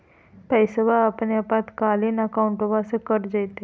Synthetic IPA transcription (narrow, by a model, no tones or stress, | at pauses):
pəjsəbaːpneapãt̪kalinəkawuɳʈobasekəɾd͡ʒajt̪e